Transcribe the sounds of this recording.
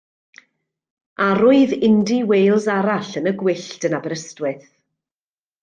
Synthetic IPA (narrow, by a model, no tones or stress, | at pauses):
aɾʊɨðɪndiwejlˠzaɾaɬənəɡwɪɬtənabɛɾəstwɪθ